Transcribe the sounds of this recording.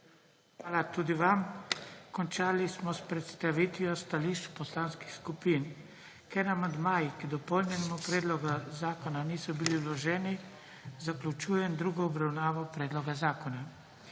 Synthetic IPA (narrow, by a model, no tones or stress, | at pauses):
xʋaːlat̪uːd̪iʋamkɔnt͡ʃaːlismɔspɾɛt̪st̪aʋit̪ʋjɔst̪aliʃt͡ʃu̥pɔslanskixskupiːn | kɛɾnamand̪maːjikid̪ɔpɔlnɛnɛmupɾɛːd̪lɔɡazaːkɔnaniːsɔbililɔʒɛːni | zaklʲut͡ʃuːjɛmd̪ɾuːɡɔːbɾawnaːʋɔpɾɛːd̪lɔɡazaːkɔna